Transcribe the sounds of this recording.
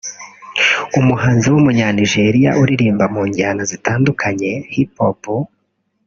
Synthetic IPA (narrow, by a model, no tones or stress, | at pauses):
umuhaːnziwumuɲaːniʒe̞ɾija̰ʔuɾiɾiːmbamuːɲɟaːnazitaːndukʰaɲe̞hipopu